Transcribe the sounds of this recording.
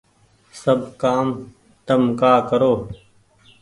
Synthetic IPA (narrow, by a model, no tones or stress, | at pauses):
səbkaːm | t̪əmkaːkəɾoː